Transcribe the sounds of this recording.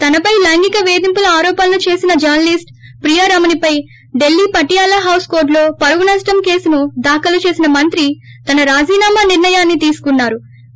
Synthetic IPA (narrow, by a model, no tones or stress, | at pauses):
t̪ɐnɐpɐjlɐŋɡikɐʋe̞ːd̪impulɐaːɾɔːpɐnlut͡ʃe̞ːsinɐd͡ʒɐɾnɐlisʈpɾijaːɾaːmɐnipɐj | ɖe̞lːiːpɐʈːijaːlɐɦɐwskoːɾɖlo̞ːpɐɾʋunɐsʈɐmke̞ːsunud̪aːkɐlut͡ʃe̞ːsinɐmɐnt̪ɾit̪ɐnɐɾaːd͡ʒiːnaːmɐniɾnɐjaːnːit̪iːsu̥kunːaːɾu